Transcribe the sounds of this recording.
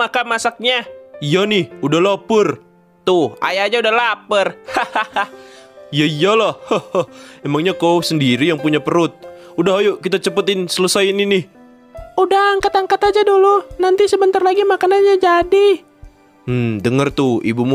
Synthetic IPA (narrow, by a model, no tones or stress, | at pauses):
akamasak̚ɲaijonɪhudahlopʊr | t̪uha̰jaad͡ʒaudahlapərhahaajaijalɔhhoɔhmemaŋɲakosəndiɾijaŋpuɲapəɾʊt̪̚udaɦajukit̪at͡ʃəpət̪ɪnsələsajɪninɪh | udahaŋkat̪aŋkat̪ad͡ʒadulunant̪isəbənt̪arlaɡimakananɲad͡ʒadi | m̩dəŋərt̪uḭbumu